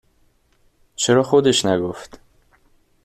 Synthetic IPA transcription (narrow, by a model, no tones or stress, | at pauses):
t͡ʃʰeɾɒːxod̪eʃnæɡoft̪